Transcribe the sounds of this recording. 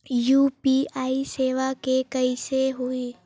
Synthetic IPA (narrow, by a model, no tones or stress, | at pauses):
jupiaːiseːʋakekəiseɦui